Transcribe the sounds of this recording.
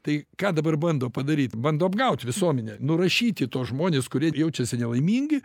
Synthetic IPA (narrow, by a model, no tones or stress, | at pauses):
t̪ɐɪkɑːd̪ɐbɐrbɐnd̪oːpɐd̪ɐɾʲiːt̪ʲbɐnd̪oːɐbɡɐʊt̪ʲʋʲɪsuɔmʲɛnʲɛnʊɾɐʃʲiːt̪ʲɪt̪oːsʒmoːnʲeːskʊɾʲiɛjɛʊt͡ʃʲɛsʲɪnʲɛlˠɐɪmʲiːŋʲɡʲɪ